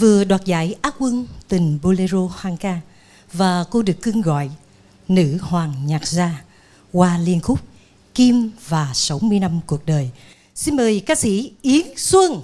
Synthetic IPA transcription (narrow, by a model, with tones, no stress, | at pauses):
vɨ˨˩əɗwaː˨˩t̚za̰ː˧˥jʔaː˦˥k̚kwə˧nt̪ï˨˩ŋ̟ɓo˧le˧zo˧hwaː˧ŋkaː˧ | vaː˨˩ko˧ɗɨ˨˩əkːɨ˧əŋɣɔ̰˧˨j | nɨ̰˧˥hwaː˨˩ŋɲaː˨˩t̚zaː˧ | kwaː˧li˧ənxʊ˦˥k͡p̚ | ki˧mvaː˨˩sa˨˦wmɨ˧əjna˧mku˨˩ək̚ɗəː˨˩j | si˧nməː˨˩jkaː˨˧˥sḭ˧˥ʔi˨˦əŋswə˧ŋ